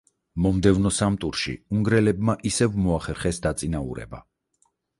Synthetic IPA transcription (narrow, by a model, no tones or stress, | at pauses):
mɔmd̪ɛvnɔsamt̪ʼuɾʃḭuŋɡɾɛlɛbmaʔisɛvmɔaχɛɾχɛsd̪at̪sʼinaṵɾɛ̰ba